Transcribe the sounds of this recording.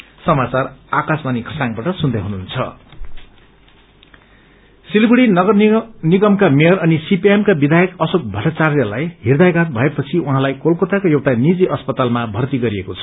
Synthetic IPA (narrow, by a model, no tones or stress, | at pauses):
sʌmat͡sarakasmanikʰʌsaŋbaʈʌsund̪ʱʌjɦunuunt͡sʰʌ̰ | silɡuɽinɡʌniɡʌmkamejʌɾʌnisipiemkabid̪ʱajʌkʌsok̚bʱʌʈat͡sarjʌlajɦird̪ajɡat̪̚bʱʌepʌt͡sʰiuɦãlajkolkot̪akojewʈanid͡ziʔʌspʌt̪almabʱʌrt̪iɡʌɾiekot͡sʰʌ